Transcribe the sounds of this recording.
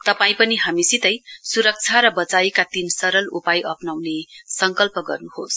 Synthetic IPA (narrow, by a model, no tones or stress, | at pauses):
t̪ʌpaĩpʌniɦamisit̪ʌjsuɾʌk̚t͡sʰaɾʌbʌt͡saikat̪insʌɾʌlupajʔʌpnawnesʌŋkʌlpʌɡʌ̰rnuhos